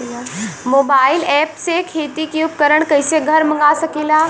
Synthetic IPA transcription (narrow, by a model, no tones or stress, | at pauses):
lamobailɛpsekʰet̪ikjupkəɾəɳkəjseɡʱəɾməŋɡasəkiːlaː